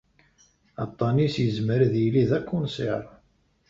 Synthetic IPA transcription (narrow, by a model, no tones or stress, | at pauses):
ɑt̪ˤːɑnisjəzməɾðjiliðækʰʷːunsiɾˤ